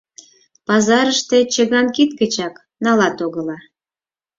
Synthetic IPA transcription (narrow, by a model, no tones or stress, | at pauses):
pɑzɑɾəʃt̪et͡ɕəɣɑnkit̪̚kət͡ɕɑk | nɑlɑt̪oɣə̆lɑ